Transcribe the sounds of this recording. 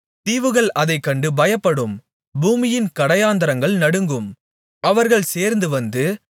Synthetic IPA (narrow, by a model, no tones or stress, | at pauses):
t̪iːʋɯɣɐɭɐðɐɪkːɐɳɖɯbɐjɐpːɐɽɯm | buːmɪjɪnkɐɽɐjaːnd̪ɐɾɐŋɡɐɭnɐɽɯŋɡɯm | ɐʋɐɾɣɐɭseːɾnd̪ɯʋɐnd̪ɯ